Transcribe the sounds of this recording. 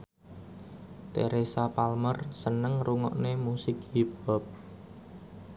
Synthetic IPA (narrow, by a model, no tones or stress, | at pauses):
t̪ḛɾesapalmərsənəŋruŋɔ̰ʔnemusɪk̚hipɔp̚